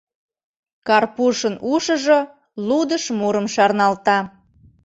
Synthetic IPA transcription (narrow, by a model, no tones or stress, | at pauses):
kɑrpuʃənuʃə̆ʒo | lud̪əʃmuɾə̆mʃɑrnɑlt̪ɑ